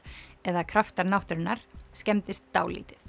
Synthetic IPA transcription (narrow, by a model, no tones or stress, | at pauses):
ɛðakʰɾaft̪aɾnawht̪ʏɾɪnːaɾ̥scɛmt̪ɪst̪ːa̰ːwlḭːt̪ɪθ